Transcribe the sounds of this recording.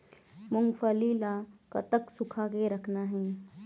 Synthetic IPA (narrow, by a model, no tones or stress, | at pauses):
mʊŋɡfʰəlilakə̰t̪əksʊkʰakeɾəkʰnaɦɛ̃ː